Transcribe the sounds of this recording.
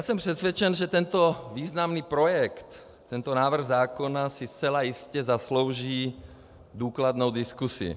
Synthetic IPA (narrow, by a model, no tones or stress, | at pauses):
jaːsɛmpr̥ɛt̪sʋɛt͡ʃɛnʒɛt̪ɛnt̪ɔviːznamniːpɾojɛkt̪ː | ɛnt̪ɔnaːvr̩ɣzaːkonasist͡sɛlajiscɛzasloʊʒiː | d̪uːklad̪nowd̪iskusḭ